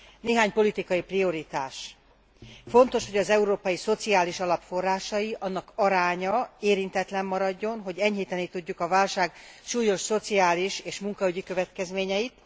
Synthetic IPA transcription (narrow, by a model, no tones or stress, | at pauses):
neːɦaːɲpo̞lit̪ikɒjiprio̞ɾit̪aːʃ | fo̞nt̪o̞ʃho̞ɟɒzɛuɾoːpɒjiso̞t̪siaːliʃɒlɒpfo̞rːaːʃɒjiʔɒnːɒkɒɾaːɲɒeːɾint̪ɛt̪lɛmːɒɾɒɟːo̞nɦo̞ɟɛɲɦiːt̪ɛnit̪uɟːukɒvaːlʃaːɡʃuːjo̞ʃso̞t̪siaːliʃeːʃmuŋkɒyɟikø̞vɛt̪kɛzmeːɲɛit̪